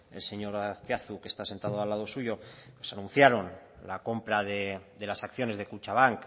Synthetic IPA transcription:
e̞̰lse̞ɲo̞ɾaθpjaθuke̞st̪ase̞nt̪að̞oalːað̞o̞suʝo̞pwesanũn̟θjaɾo̞nlako̞mpɾaðeðelasakθjo̞ne̞zðe̞kut͡ʃaβ̞aŋk

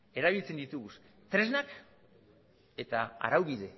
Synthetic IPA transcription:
e̞ɾaβ̞ilt͡se̞nd̪it̪uɣus | t̪ɾe̞znak | e̞t̪aa̰ɾawβið̞e̞

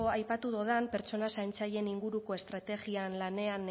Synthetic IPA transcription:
oajpat̪uðoðampe̞ɾt͡so̞nasajnt͡saje̞niŋɡuɾuko̞e̞st̪ɾat̪e̞ɣianlane̞an

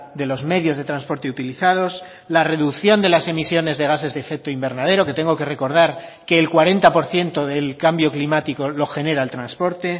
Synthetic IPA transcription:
d̪e̞lo̞zme̞ðjo̞zðe̞t̪ɾanspo̞ɾt̪e̞ut̪iliθað̞o̞s | lare̞ðuθjo̞nd̪e̞lase̞misjo̞ne̞zðe̞ɣ̞ase̞zðefe̞k̚t̪oimbe̞ɾnað̞e̞ɾo̞ke̞t̪e̞ŋɡo̞ke̞re̞ko̞ɾð̞aɾke̞ːlkwaɾe̞nt̪apo̞ɾθje̞nt̪oðe̞lkambjo̞klimat̪iko̞lo̞xe̞ne̞ɾaelt̪ɾanspo̞ɾt̪e̞

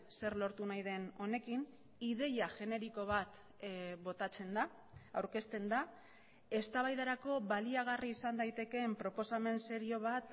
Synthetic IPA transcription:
se̞ɾlo̞ɾt̪unajðe̞no̞ne̞kin | iðe̞jaʝe̞ne̞ɾiko̞β̞at̪ | βo̞t̪at͡se̞nd̪a | awɾke̞st̪e̞nd̪a | e̞st̪aβajðaɾako̞βaliaɣ̞ariːsand̪ajt̪e̞ke̞mpɾo̞po̞same̞nse̞ɾio̞β̞at̪

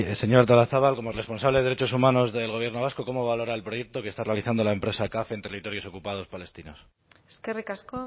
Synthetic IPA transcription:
se̞ɲo̞ɾt̪olaθaβalko̞more̞spo̞nsaβlee̞ðɾet͡ʃo̞sumãno̞zðe̞lɣ̞o̞β̞je̞ɾno̞βasko̞ko̞mo̞βalo̞ɾaelpɾo̞je̞k̚t̪o̞ke̞st̪are̞aliθand̪olae̞mpɾe̞sakafent̪e̞rit̪o̞ɾjo̞so̞kupað̞o̞spale̞st̪ino̞s | eskerikasko

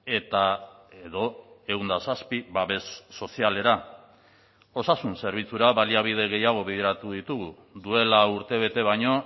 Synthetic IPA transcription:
e̞t̪ae̞ðo̞e̞ɣund̪asaspiβaβe̞sːo̞siale̞ɾa | o̞sasunse̞ɾβ̞it͡suɾaβaliaβið̞e̞ɣ̞e̞jaɣ̞o̞βeðeɾat̪uðit̪uɣ̞u | d̪ue̞lauɾt̪e̞β̞e̞t̪e̞β̞ajɲo̞

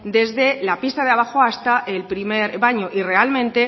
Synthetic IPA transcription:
d̪e̞zðe̞lapist̪aðeaβ̞axoast̪aʔelpɾime̞ɾβaɲo̞ʔire̞almẽ̞nt̪e̞

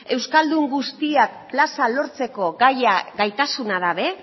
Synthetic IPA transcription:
e̞wskald̪uŋɡust̪iakːlasalo̞ɾt͡se̞ko̞ɣajaɡajt̪asunaðaβe̞

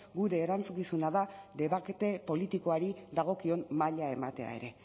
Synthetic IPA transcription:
ɡuɾe̞ːɾant͡sukisunaðaðe̞βake̞t̪e̞po̞lit̪iko̞aɾiðaɣ̞o̞kio̞mmaʎae̞mat̪e̞a̰e̞̰ɾe̞

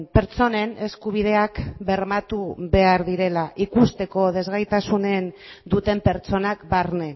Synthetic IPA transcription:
pe̞ɾt͡so̞ne̞ne̞skuβ̞iðe̞akbe̞ɾmat̪uβe̞aɾðiɾe̞laʔikust̪e̞ko̞ð̞e̞zɣajt̪asune̞n | d̪ut̪e̞mpe̞ɾt͡so̞nakbarne̞

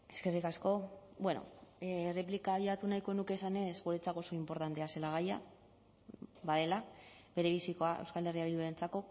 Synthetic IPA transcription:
e̞ske̞rikasko̞bwe̞no̞̰re̞plikaːβ̞iat̪unajko̞nuke̞sane̞sɣuɾe̞t͡sako̞so̞impo̞ɾt̪ant̪e̞ase̞laɣ̞aja̰ | βaðe̞laβe̞ɾe̞βisiko̞aʔewskale̞riaβild̪uɾent͡sako̞

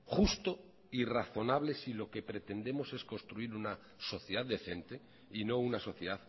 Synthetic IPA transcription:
χust̪o | iraθo̞naβle̞silo̞ke̞pɾe̞t̪e̞nd̪e̞mo̞se̞sko̞nst̪ɾuiɾuna | so̞θjeðaððe̞θe̞nt̪e̞ | ino̞unaso̞θjeðað

